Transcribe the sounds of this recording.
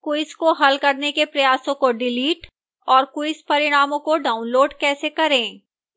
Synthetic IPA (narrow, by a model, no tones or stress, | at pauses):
kʊɪskoɦɐlkɐɾnekepɾɐjaːsõkoɖɪliːʈ | ɔːɾkʊɪspɐɾɪɽ̃aːmõkoɖaːʊnloːɖkɛːsekɐɾẽː